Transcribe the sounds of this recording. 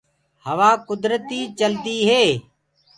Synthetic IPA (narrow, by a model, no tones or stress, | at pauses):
həʋaːkʊd̪ɾət̪iːt͡ʃəld̪iːɦeː